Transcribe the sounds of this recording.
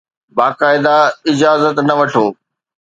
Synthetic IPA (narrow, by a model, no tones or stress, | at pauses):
baːkaːɪd̪aɪd͡ʑaːzət̪nɐʋɐʈʰoː